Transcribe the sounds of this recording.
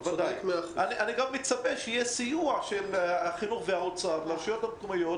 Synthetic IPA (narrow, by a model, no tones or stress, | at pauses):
vad̪aeaaniʔaniɡamːet͡sabeʃejesijuaʃelaχinuχveaot͡saatlamʃajot̪amkomajot